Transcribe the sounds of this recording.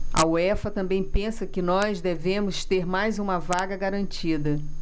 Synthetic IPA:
ɐ̰uɛfɐt̪ɐ̃mbẽj̃pẽsɐkɪnɔzd̪evẽmʊst̪eɾmajzũmɐvaɡɐɡaɾɐ̃nt͡ʃid̪ɐ

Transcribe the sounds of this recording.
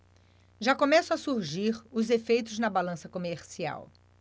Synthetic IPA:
ʒakõmɛsʊɐsuɾʒiɾʊzefejt̪ʊznɐbalɐ̃sɐkomeɾsia̰w

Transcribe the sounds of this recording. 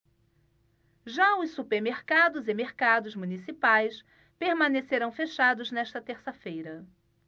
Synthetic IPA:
ʒaʊssːupeɾmeɾkad̪ʊzɪmeɾkad̪ʊzmũnisipajs | peɾmɐ̃neseɾɐ̃w̃feʃad̪ʊznɛʃt̪ɐt̪eɾsɐfejɾɐ

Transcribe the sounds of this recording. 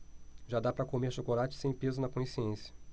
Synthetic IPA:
ʒad̪apɾɐkomeɾʃokolat͡ʃɪ̥sẽj̃pezʊnɐkõj̃siẽsjɐ̥

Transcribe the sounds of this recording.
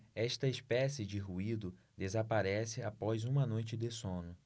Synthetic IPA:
ɛʃt̪ɐespɛsɪd͡ʒɪɦuid̪ʊ | d̪ezapaɾɛsɪapɔjzũmɐnojt͡ʃɪd̪esõnʊ

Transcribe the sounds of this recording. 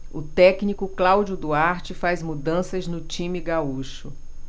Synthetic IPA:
ʊt̪ɛknikʊklawd͡ʒʊd̪uaɾt͡ʃɪfazmud̪ɐ̃sɐznʊt͡ʃĩmiɡauʃʊ

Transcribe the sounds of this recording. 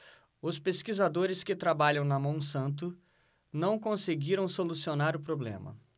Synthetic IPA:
ʊspeskizad̪oɾɪskɪt̪ɾabaʎɐ̃w̃nɐmɐ̃w̃sɐ̃nt̪̬ʊ | nɐ̃w̃kõseɡiɾɐ̃w̃solusionaɾʊpɾoblḛ̃mɐ̰

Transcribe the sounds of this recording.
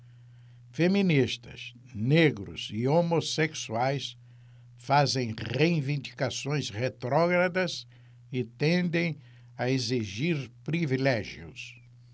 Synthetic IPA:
femĩnist̪ɐ̰s | neɡɾʊ̰zɪomoseksuajs | fazẽj̃ʁeivĩnd̪ikasõj̃sʁet̪ɾɔɡɾad̪ɐz | ɪt̪ẽnd̪ẽj̃ | ɐeziʒiɾpɾivilɛʒjʊ̰s

